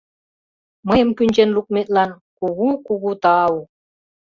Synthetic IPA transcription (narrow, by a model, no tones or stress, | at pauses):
məjə̆mkynʲt͡ɕenluk̚met̪̚lɑn | kuɣukuɣut̪ɑu